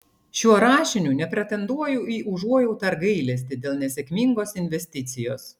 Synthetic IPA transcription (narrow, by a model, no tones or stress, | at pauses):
ʃʲuɔɾɑːʃʲɪnʲuːnʲɛpʲɾʲɛt̪ʲɛnd̪uɔjuʔiːʔʊʒuɔjɛʊt̪ɐɾɡɐɪlʲɛsʲt̪ʲɪd̪ʲeːlˠnʲɛsʲɛkʲmʲiːŋɡoːsɪnʲʋʲɛsʲt̪ʲɪt̪sʲɪjoːs